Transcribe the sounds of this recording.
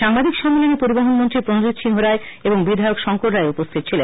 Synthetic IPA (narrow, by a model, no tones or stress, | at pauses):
ʃaŋbad̪ʱikʃɔmːilonipoɾibaɦonmont̪ɾipɾonod͡ʑit̪ʃʰinɦoɾae | eboŋbid̪ʱaeokʃɔŋkoʈɾaeupost̪ʰit̪̚t͡ɕʰile